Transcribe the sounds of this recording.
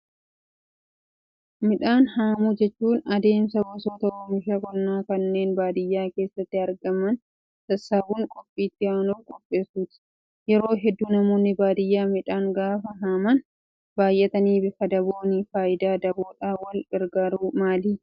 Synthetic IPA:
mɪᶑaːnhaːmud͡ʒɛt͡ʃːuːnɐd̪e̞ːmsɐbɔsoːt̪ɐɔmɪʃakɔnːaːkɐnːe̞ːnbaːd̪ɪjːaːke̞ːsːɐt̪ːɪɐɾɡɐmɐn | t̪ɐsːabuŋkʼɔpʼːiːt̪ːɪjaːnuːkʼɔpʼːe̞ːsuːt̪ɪ̥ | jɛɾo̞ːɦɛd̪ːuːnɐmoːnːɪbaːd̪ɪjːaːmɪᶑaːŋɡaːfɐɦaːmɐn | baːjʔɛt̪ɐniːbɪkɐd̪ɐboːnifaːʔɪd̪aːd̪ɐboːᶑaːwɐlɪɾɡaɾuːmaːliː

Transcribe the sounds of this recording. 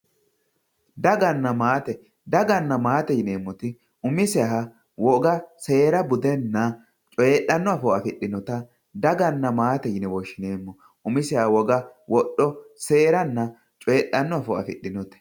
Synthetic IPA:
d̪ɐɡɐnːɐmaːt̪ɛ | d̪ɐɡɐnːɐmaːt̪ɛjɪne̞ːmːɔt̪ɪ | ʊmɪsɛɐɦɐ | wɔɡɐse̞ːɾɐbʊd̪ɛnːɐ | t͡ʃʼɔeɗːɐnːɔɐfɔɐfɪɗːɪnɔt̪ɐ | d̪ɐɡɐnːɐmaːt̪ɛjɪnɛwɔʃːɪneːmːɔ | ʊmɪsɛawɔɡɐwɔɗɔse̞ːɾɐnːɐ | t͡ʃʼɔɛɗːɐnːɔɐfɔɐ̰fɪ̰ɗːɪnɔt̪ɛ̥

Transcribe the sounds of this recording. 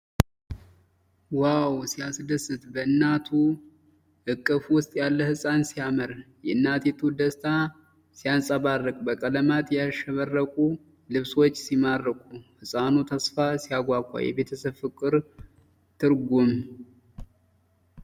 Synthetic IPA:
wawsijasd̪əsɨt̪bəɨnːat̪ʰu | ʔɨkʼːɨfwʊst̪ʼjalːəhɨsʼansijaməɾjɛɨnːat̪jɛt̪ʰud̪əst̪ʰa | sijansʼaβarːəkʼbəkʼələmat̪jaʃəβərːəkʼu | lɨβswo̞t͡ʃːsimarːəkʼuhɨsʼanut̪ʰəsfasijaɡʷakʷʼːa̰jɛ̰βe̞t̪ʰəsəβfɨkʼːɨɾ | t̪ʰɨɾɡum

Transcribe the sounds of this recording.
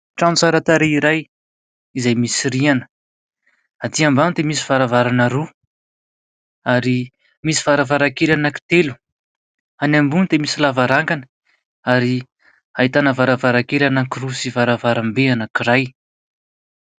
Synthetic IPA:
ʈ͡ʂanut͡saɾat̪aɾeiɾaj | izajmisirianə̥ | at̪iambanud̪emis̬iv̥aɾavaɾanaɾu | aɾi | misi̥v̥aɾavaɾakelanaki̥t̪elu̥ | anambunid̪emisilavaɾaŋkanə̥ | aɾi | ait̪anəvaɾavaɾakelanakirusivaɾavaɾambeanakiɾaj

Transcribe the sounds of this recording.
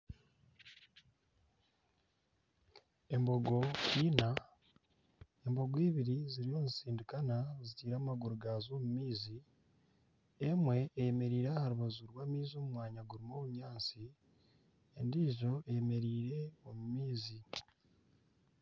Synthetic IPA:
e̞mbo̞ɡo̞ciːna | e̞mbo̞ɡwiːβiɾiziɾio̞ːnisiːndikanazitiːɾaːmaɡuɾuɡazo̞ːmumiːzi | e̞mwe̞ːjeme̞ɾiːɾahaɾuβazuɾwaːmiːzioːmumwaːɲaɡuɾimo̞ːβuɲaːnt͡si | endiːʒo̞ejeme̞ɾiːɾe̞o̞mumiːzi

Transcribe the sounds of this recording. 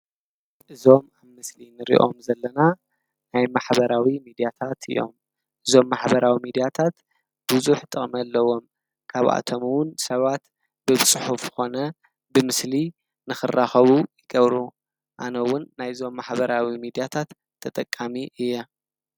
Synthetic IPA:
ʔɨzo̞maβmɨslinɨɾḭʔo̞mzɐlːɐna | najmaħbɐɾawimid̪ijat̪ʰat̪ʰɨ̰jo̞̰m | ʔɨzo̞mːaħbɐɾawimid̪ijat̪ʰat̪ | buzuħt̪ʰʼɨχʼmɐlːɐwo̞m | kʰaβʔa̰t̪ʰomuwʊnsɐβat̪ | bɨβt͡sʼɨħufzɨ̥xo̞nɐ | bɨmɨsli | nɨxɨrːaxɐβujɪɡɐβɾu | ʔanɐwʊnːajɨzo̞mːaħbɐɾawimid̪ijat̪ʰat̪ʰːɐt̪ʼɐkʼːamiʔɨjːɛ

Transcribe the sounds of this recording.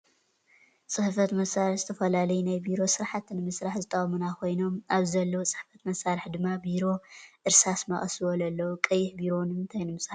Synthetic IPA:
t͡sʼɨħfɐt̪mɐsaɾɨħzɨt̪ʰɐfɐlalɐjunajbiɾo̞sɨɾħat̪nɨmɨsɾaħzɨt̪ʼɐχʼmunakʰo̞jno̞mʔaβzɐlːowt͡sʼɨ̥ħfɐt̪mɐsaɾɨħd̪ɨmːabiɾo̞ʔɨɾsasmɐχʼɐsɨwolɐlːɐwukʼɐjːɪħbiɾo̞nɨmɨnt̪ʰajnɨmɨsɾa

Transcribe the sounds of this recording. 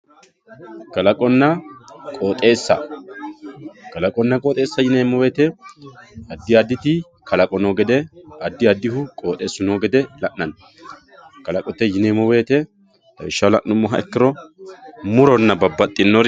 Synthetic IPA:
kɐlɐkʼɔnːɐkʼoːt̪ʼe̞ːsːɐ̰ | kɐlɐkʼɔnːɐkʼoːt̪ʼe̞ːsːɐjɪneːmɔweːt̪ɛ | ɐd̪ːɪɐd̪ːɪt̪ɪ | kʰɐlɐkʼɔnoːɡɛd̪ɛɐd̪ːɪɐd̪ːɪhʊkʼo̞ːt̪ʼe̞ːsːʊnoːɡɛd̪ɛlɐʔnɐn | kɐlɐkʼɔt̪ːɛjɪneːmɔwe̞ːt̪ɛ | hɐ̰ɪʃːɐlɐ̰ʔnʊmːɔɦɐɛkːɪɾɔ | mʊɾɔnːɐbɐbːɐt̪ʼːɪnːɔɾ

